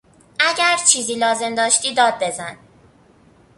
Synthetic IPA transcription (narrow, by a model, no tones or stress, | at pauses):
ʔæɟæɾt͡ʃʰiːziːlɒːze̞md̪ɒːʃt̪iːd̪ɒːd̪̚be̞zæn